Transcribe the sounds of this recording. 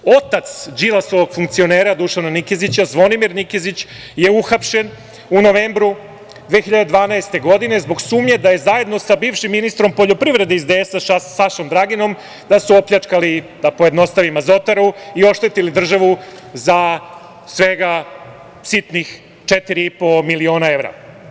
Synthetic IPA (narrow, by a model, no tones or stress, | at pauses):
o̞t̪at̪sd͡ʑilasoʋoɡfuŋk̚t̪sio̞neːɾad̪uʃananikezit͡ɕazʋo̞nimiɾnikezit͡ɕ | je̞uxapʃe̞n | uno̞ʋeːmbɾu | d̪ʋeːxiʎad̪ed̪ʋaːnaest̪e̞ɡo̞d̪ine̞zbo̞ɡsuːmɲe̞d̪aje̞zaje̞d̪no̞sabiːvʃimːinist̪ɾo̞mpo̞ʎo̞pɾiʋɾe̞d̪eizd̪eesaʃasaʃomd̪ɾaɡino̞m | d̪asuo̞pʎat͡ʂkalid̪apoje̞d̪no̞st̪aʋimazo̞t̪aɾuio̞ʃt̪e̞t̪ilid̪r̩ʒaʋu | za | sʋe̞ɡa | sit̪nix | t͡ʂet̪iɾiipo̞milio̞ːnae̞vɾa̰